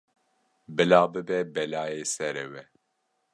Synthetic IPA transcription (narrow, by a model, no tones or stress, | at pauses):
bɨlaːbɨbɛbɛlaːjeːsɛɾɛwɛ